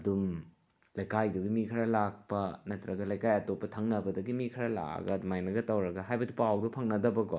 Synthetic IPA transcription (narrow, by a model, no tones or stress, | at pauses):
ɐdum | lɐjkajdɐɡimikʰɐɾɐlak̚pɐnɐtɾɐɡɐlɐjkajɐtopːɐtʰɐŋnɐbɐdɐɡimikʰɐɾɐla̰ɡɐdumajnɐɡɐtɐwɾɐɡɐɦajbɐdipawdɐpʰɐŋnɐdɐbɐkɔ